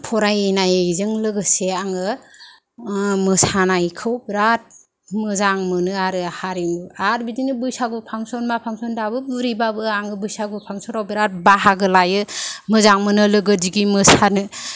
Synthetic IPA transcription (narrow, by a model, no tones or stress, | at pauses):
pʰɔɾajenajzɯŋlɯɡɯseaŋɯ | mɯsanajkʰɯwbiɾat̚ | mɯzaŋmɯnɯaɾɯhaɾimɯaɾbidinɯbɯjsaɡupʰaŋsɔnmapʰaŋsɔndabɯbuɾibabɯaŋɯbɯjsaɡupʰaŋsɔɾawbiɾat̚baɦaɡɯlajɯmɯzaŋmɯnɯlɯɡɯdiɡimɯsanɯ